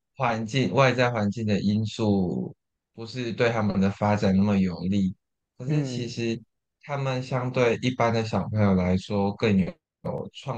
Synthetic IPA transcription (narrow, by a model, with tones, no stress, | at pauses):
xwa˧˦˥nt͡ɕi˥˧ŋwa˥˧ɪt͡sa˥˩ɪxwa˧˦nt͡ɕi˥˩ŋd̪ə˩ʔi˥nsu˥˩ | pu˧˦ʂɻ̩˥˧t̪we˥˩ɪt̪ʰa˥mə˨nd̪ə˩fa˥ʈ͡ʂa˨˩nna˥˩mə˩jɔ˨˩ŋli˥˩ | kʰɤ˧˩˦ʂɻ̩˥˩t͡ɕʰi˧˥ʂɻ̩˧˥ | t̪ʰa˥mə˨nɕjɑ˥ŋt̪we˥˩ɪʔi˥˩pa˦˥nd̪ə˨˩ɕ̬jɑ˨˩ʊpʰɤ˧˥ŋjo˨˩ʊla˧˥ɪʂwɔ˥kə˥˧˩ŋjo˨ | o̰˨˩ʊʈ͡ʂʰwɑ˥˧